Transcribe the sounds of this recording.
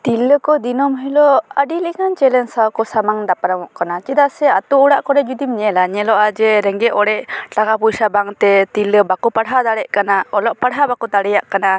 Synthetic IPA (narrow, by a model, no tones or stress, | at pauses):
t̪iləkɔd̪inɔmɦɛlɔadilikant͡ʃɛlɛnsawkɔsamaŋd̪apaɾamɔʔkanat͡ʃid̪asɛat̪uuɽaʔkɔɾɛd͡ʒud̪imɲɛlaɲɛlɔʔad͡ʒɛɾɛŋɡɛʔɔɽɛʔʈakapusabaŋt̪ɛt̪iləbakupaɽɦad̪aɽɛʔkanaɔlɔʔpaɽɦabakut̪aɽɛjaʔkana